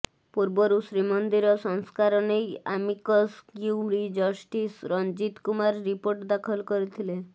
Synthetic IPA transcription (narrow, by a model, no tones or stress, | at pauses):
puɾbɔɾusɾimɔnd̪iɾɔsɔŋskaɾɔnejamikɔskjuɾid͡ʒɔsʈisɾɔnd͡ʒit̪kumaɾːipoɾʈd̪akʰɔlkɔɾit̪ʰile